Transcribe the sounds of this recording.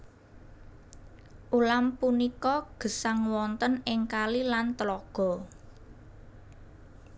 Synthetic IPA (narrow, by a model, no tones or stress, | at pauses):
ʔulampunikɔɡ̥ə̤saŋwɔnt̪ənɪŋkalilant̪əlɔɡ̥ɔ̤